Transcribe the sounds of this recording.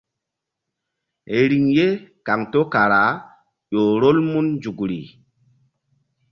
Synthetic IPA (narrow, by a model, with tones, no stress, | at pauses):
e˨ɾi˨ŋje˦ka˨ŋto˦ka˨ɾa˨ | ɗo˨ɾo˦lmu˦nd͡ʒu˨ɡɾḭ˨